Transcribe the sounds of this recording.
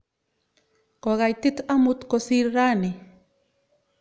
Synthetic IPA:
koɣajt̪it̪amut̪kosiɾɾani

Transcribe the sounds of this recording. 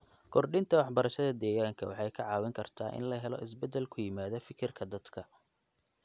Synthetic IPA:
kʰɔrɖɪnt̪ʰɐwɑħbɐɾɐʃɐðɐd̪ɛːɣaːŋkʰɐwɑħɑjkʰɐʕɑːwɪŋkʰɐrt̪ʰaːʔɪ̰nlɐɦɛlɔ̰ʔɪs̬bɛd̪ɛlkʰʊjɪmaːðɐfɪkʰɪrkʰɐd̪ɐd̪kʰɐ

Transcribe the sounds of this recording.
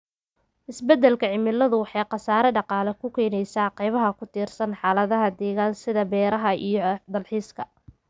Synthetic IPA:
ʔɪsbɛd̪ɛlkʰɐʕɪmɪlːɐðʊwɑħɑjqɑsaːɾɛɖɑqɑːlɛkʰʊkʰɛːnɛjsaːqɑjβɐɦɐkʰʊt̪ʰiːrsɐnħɑːlɐðɐɦɐd̪ɛːɣaːnsɪðɐbɛːɾɐɦɐʔḭjɞd̪ɐlħiːskʰɐ

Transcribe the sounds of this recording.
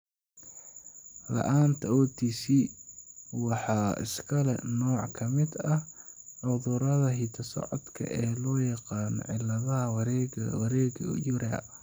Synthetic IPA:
lɐ̰ʔaːnt̪ʰɐɔːt̪ʰiːsi | wɑħɑːɪ̰skʰɐlɛ̰nɔːʕkʰɐmɪd̪ɐʕʊðʊɾɐðɐɦiːt̪ʰɐsɔ̰ʕɔd̪kʰɐ̰ʔɛːlɔːjɑqɑːnɔ̰ʕɪlɐðɐɦɐwɾɛɡwɐɾɛːɡɐ̰jʊɾa

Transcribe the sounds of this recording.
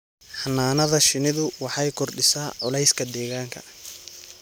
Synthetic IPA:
ħɑnːaːnɐðɐʃɪnɪðʊwɑħɑjkʰɔrɖɪsaːʕʊlɛjskʰɐd̪ɛːɣaːŋkʰɐ̰

